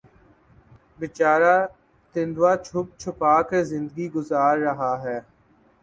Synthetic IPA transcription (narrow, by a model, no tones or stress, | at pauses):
bɪt͡ʃaːɾaː | t̪ɪ̃nd̪waːt͡ʃʰʊp̚t͡ʃʰʊpaːkəɾzɪ̃nd̪əɡiɡʊzaːɾːɐɦaːɦɛː